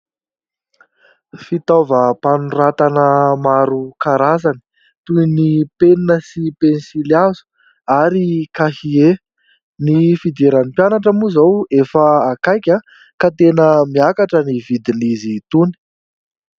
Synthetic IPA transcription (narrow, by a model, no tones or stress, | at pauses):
fit̪avəpanurat̪anəmaɾukaɾazani̥ | t̪uinipeninəsipensiliazu̥ | aɾikahie | nifid̪eɾanipjanaʈ͡ʂəmuzawefəakajkʲa | kat̪enəmiakaʈ͡ʂənivid̪inizit̪uni̥